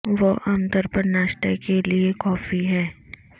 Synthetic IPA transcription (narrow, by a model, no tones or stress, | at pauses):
ʋoʔãmt̪əɾpəɾnaːʃʈ̪əjkeliekɔːfiɦɛ̃ː